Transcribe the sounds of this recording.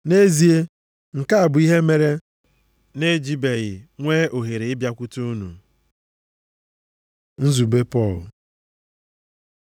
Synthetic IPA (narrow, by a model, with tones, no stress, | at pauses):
ne˦zi˨e˦ | ŋ̩˨ka˦a˨bʊ˨i˦ɦe˦me˨ɾe˦ | ne˦d͡ʒi˦be˨ɣɪ˨ŋʷeː˦ʔo˨ɦe˨ɾe˨ɪ˦bja˦kʷu˦tu˦u˦nṵ˨ | n̩˦zu˨be˦pɔ˦˨l